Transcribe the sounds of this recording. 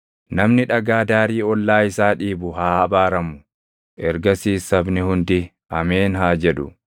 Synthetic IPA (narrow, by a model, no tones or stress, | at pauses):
nɐmnɪᶑɐɡaːd̪aːɾiːɔlːaːɪsaːᶑiːbʊhaːɐbaːɾɐmʊ | ʔɛɾɡɐsiːsɐbnɪhʊnd̪ɪ | ʔɐmeːnɦaːd͡ʒɛᶑʊ̰